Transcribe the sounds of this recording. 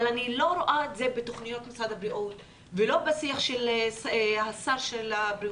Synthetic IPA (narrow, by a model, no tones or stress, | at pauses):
lanilo̞ɾoʔaetze̞bet̪o̞χnijo̞t̪masad̪habɾiʔot | velo̞basiaχʃel | hasaʁʃelabɾi